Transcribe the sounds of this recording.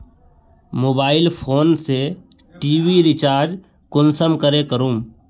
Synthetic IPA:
moːbaːɪlpʰoːnse | ʈiːwiɾɪt͡ʃaːɾd͡ʒ | kʊnsəmkəɾekəɾuːm

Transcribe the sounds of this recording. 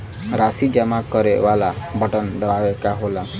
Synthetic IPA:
ɾasid͡ʒəmakəɾeʋalabʱəʈənd̪əʋaʋekaɦola

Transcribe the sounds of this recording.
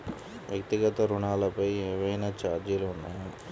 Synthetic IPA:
ʋjɐk̚t̪iɡɐt̪ɐɾuɳaːlɐpɐjɛːʋɐjnaːt͡ʃaːd̪jɐluːnːaj

